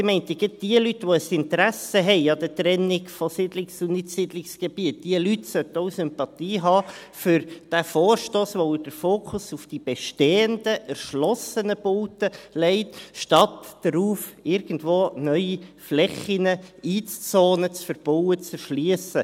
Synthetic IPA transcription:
ɪmɛɪnt̪əɡɪt̚d̥iəlytʋoəsɪntəɾæsəɦɛɪɑd̥̪ət̪ɾɛnɪɡfosɪdlɪksʊnɪtsɪdlɪksɡ̥eb̥iət̚d̥iəlytsœt̪əoʊsʏmpɑt̪iːɦɑː | fʏɾd̥æfoːrʃtoːsʋoɪd̥əɾfoːkʰʊsufd̥ib̥ɛʃteːəndəʔæɾʃlɔsənəb̥oːtəlɛɪtʃtɑt̪d̥əɾuːfɪɾɡ̥əndʋoːnœʏiflɛχinəiːt͡st͡soːnət͡sfəɾb̥ɔwət͡sɛɾʃliəsə

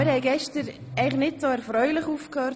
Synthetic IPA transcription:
mɪɾhɛɪɡɛʃtəɾɛɪχnɪtsoːɛɾfɾœʏlɪχuːfkhœɾ

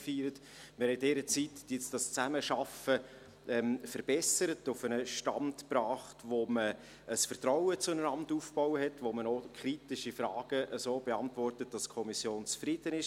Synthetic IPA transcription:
fyːɾət | mɪhɛdɛːɾət͡sitːɪt͡sd̥ɑst͡sæməʃɑfə | ʔɛmfəɾb̥ɛsəɾətʊfənəʃtɑ̰ntprɑːχtvomə | əsfərtraʊət͡sʊnənɑmtuːfb̥ɔwəɦɛtʋomənokʰɾitɪʃifrɑːɡ̥əʔəsoːb̥eɑntvɔrtət̚d̥ɑskʰɔmisjoːnt͡sfrɪd̥ənɪʃ

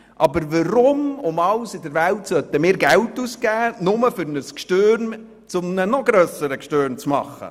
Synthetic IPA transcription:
ʔɑbəɾvəɾʊmʊmɑlsɪdəɾvæltsœt̪əmɪːɾɡɛltuːsɡæːnʊməfʏɾnəskʃtøːɾn | t͡sʊmnənɔɡɾœːsəɾəkʃtøːɾnt͡smɑ̰χə̰

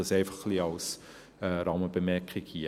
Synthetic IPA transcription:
ɑsɛɪfɑχχliɑls | ɛɾɑməb̥əmɛkχikhi

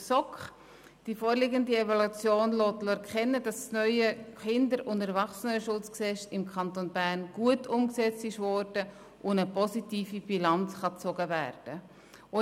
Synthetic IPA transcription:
sɔkχ | d̥ifoːɾlɪɡəndievɔlut͡sjoːnloːtlɔkχɛnːədɑsːnœʏəχɪndəɾʊntəɾvɑχsənəʃʊt͡sksɛsɪmkʰɑntonbæːɾnɡ̥uətʰʊmksɛt͡stɪʃvɔɾd̥ə | ʔʊnəpɔsitiːfib̥ilɑnt͡sχɑt͡sɔɡəværd̥ə | ʊ

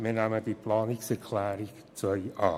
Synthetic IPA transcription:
minæmədipʰlɑːnɪksɛɾkʰlæːɾɪk | t͡sœʏɑː

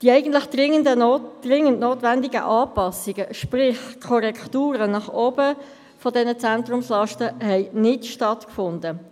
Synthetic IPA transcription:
d̥iæɪɡən̩tlɪχd̥ɪədəd̥rɪŋːəntnoːtʋændɪɡə̰ʔɑːpɑsiɡəʃprɪχkʰɔɾɛktuːɾənɑχoːbə | fɔdɛnət͡sæntrʊmslɑʃtəhɛɪnɪtʃtɑtkfʊndə

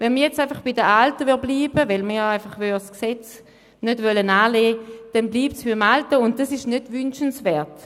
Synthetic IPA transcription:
vɛnmijɛt͡saɪfɑχb̥ɪdəʔaltəvyɐbliːbəvɛlmiːaɪfɑχvysksɛt͡s | nødvœlənaːleːd̥ɛnbliːp̚tsb̥ɪmaltəʊnt̚d̥asɪʃnødvʏnʃənsvɛːɐt

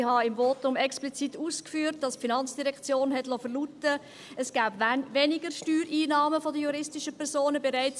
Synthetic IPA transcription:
hɑɪmvoːtʊmɛksplit͡situːskfyːɾt̚d̥ɑspfinɑnt͡sd̥iɾɛkt͡sjoːnɦɛtlɔfərlutə | ɛsɡ̥æːbvɛnɪɡərʃtyːɾiːnɑːməfodəjuɾɪstɪʃəpʰɛɾsoːnəbeɾaɪt͡s

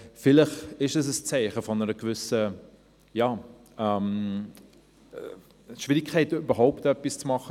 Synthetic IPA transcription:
fɪlɪχɪʃdɑs̬əst͡sɛɪχəfɔnəɾəɡ̥vʏsə | jaː | ɛm | ʃv̥ɪɾikʰːɛɪtyb̥əɦaʊptœpːist͡smɑχə

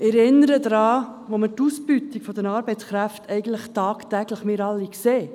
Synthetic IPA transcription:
ɛɾɪnːəɾəd̪ɾɑːʋomətusbyt̪ikfɔd̥̪ənɑːɾbɛɪt͡sskɾæft̪ʰɛɪɡ̥ən̩t̪ləχt̪ɑːkt̪ɛɡləχmɪːɾɑlːikseː

